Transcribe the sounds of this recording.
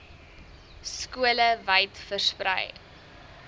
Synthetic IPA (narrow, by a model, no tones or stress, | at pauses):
skuələvɐjtfərsprə̰j